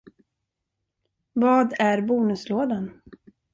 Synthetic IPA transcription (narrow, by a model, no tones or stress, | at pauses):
vɑːd̪æɾbuːnɵsloːd̪an